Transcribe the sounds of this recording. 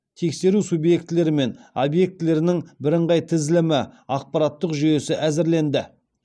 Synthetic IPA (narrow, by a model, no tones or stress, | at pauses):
t̪ʰe̞kse̞ɾusubje̞kt̪ɪle̞ɾɪme̞nobje̞k̚t̪ɪle̞ɾɪnɪŋbɪɾɪɴʁɑjt̪ʰɪzɪlɪmɪɑq̚pɑɾat̪ːəqʒʏje̞sɪʔæzɪɾle̞nd̪ɪ